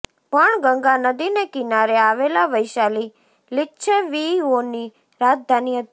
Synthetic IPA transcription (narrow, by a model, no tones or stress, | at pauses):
pəɳɡə̃ŋɡanəd̪inekɪnaɾeaʋelaʋəjʃali | lɪːʃʰəʋioni | ɾad͡ʒd̪ʱanijət̪